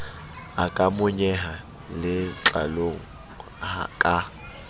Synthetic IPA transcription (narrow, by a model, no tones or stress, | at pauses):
akʼamʊɲɛɦa | lɪt͡ɬʼa̰loŋ̩ | ha̰kʼa